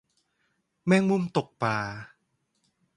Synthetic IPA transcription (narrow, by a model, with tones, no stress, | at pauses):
mɛː˥˩ŋmu˧˥˩mt̪o˨˩k̚paː˧